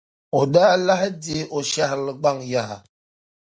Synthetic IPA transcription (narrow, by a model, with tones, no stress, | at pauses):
o˨daː˦la˦hi˦di˦ʔo˨ʃa˦hɾlɨ˨ɡ͡ba˦˨ŋja˦ha˨